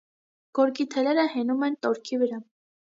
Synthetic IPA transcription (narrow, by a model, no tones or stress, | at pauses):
ɡ̥ɔɾkit̪ʰɛlɛɾəhɛnumɛnt̪ɔɾkʰivəɾɑ